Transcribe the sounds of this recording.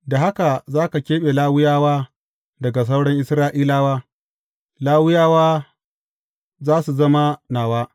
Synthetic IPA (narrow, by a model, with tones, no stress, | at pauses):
da˨ɦa˦ka˨zaː˦ka˨kʲeː˦ɓe˨laː˦wʊ˦jaː˦waː˦ | dɐ˨ɡa˨s̬a˦wɽɐ˦ŋʔɪ˦sɾaː˦ʔiː˦laː˦waː˦ | laː˦wʊ˦jaː˦waː˦ | zaː˦su˨zɐ˦ma˦naː˨waː˦